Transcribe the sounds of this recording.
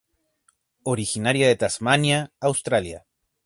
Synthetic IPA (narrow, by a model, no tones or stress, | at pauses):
oɾixinaɾjaðet̪asmanjaːwst̪ɾalja̰